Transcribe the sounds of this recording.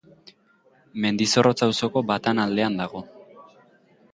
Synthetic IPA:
me̞nd̪iso̞ro̞t͡sawso̞ko̞bat̪anald̪e̞and̪aɣ̞o̞

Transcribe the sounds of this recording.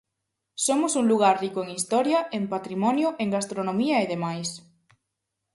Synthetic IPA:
somosuŋluɣ̞aɾrikoeŋist̪ɔɾjɐempat̪ɾimɔnjoʔeŋɡast̪ɾonõmiɐeðemajs

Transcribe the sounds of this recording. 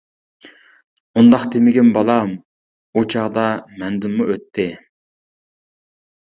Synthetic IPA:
und̪ɑqt̪ʰemɪɡʲɪnbɑlˠɑm | ut͡ʃʰɑʁd̪ɑmɛnd̪ɪmːuøt̪ʰːɪ

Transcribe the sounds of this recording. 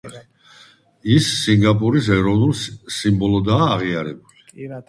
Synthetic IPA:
i | isːiŋɡapʼuɾis̬ɛɾɔvnulˠsimbɔlɔd̪aːʁiaɾɛbuli

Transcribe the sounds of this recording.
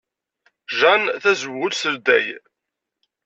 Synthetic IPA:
ʒænθæzəwʁʊlsəld̪ːæ̰j

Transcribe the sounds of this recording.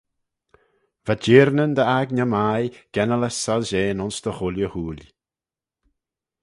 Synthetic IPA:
vad͡ʒeːɾnənd̪əaɡnamajɡ̥ɛnələsalʒeːnɔnsd̪̥əxʊljəhuːlʲ

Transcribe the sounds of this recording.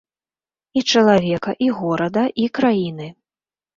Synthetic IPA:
it͡ʂɐlˠavʲɛkɐʔiɣɔɾɐd̪ɐʔikɾajinɨ

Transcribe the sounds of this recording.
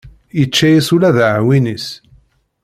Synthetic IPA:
jət͡ʃːæjisulæðʕwinis

